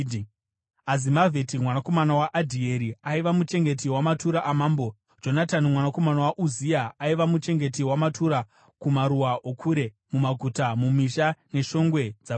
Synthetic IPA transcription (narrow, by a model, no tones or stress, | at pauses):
azimavʱetimwanako̞manawaʔadʱie̞ɾiaiʋamut͡ʃe̞ŋɡe̞t̬iwamatuɾaʔamaːmbo̞ | d͡ʒo̞natanimwanako̞manawaʔuziaaiʋamut͡ʃe̞ŋɡe̞t̬iwamatʰuɾa | kumaɾuwaʔokʰuɾe̞ | mumaɡʱutamumiʃane̞ʃo̞ŋɡwe̞d͡za